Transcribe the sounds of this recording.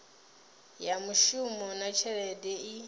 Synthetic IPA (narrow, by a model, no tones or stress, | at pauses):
jamuʃumɔnat͡ʃʰɛɾɛdɛi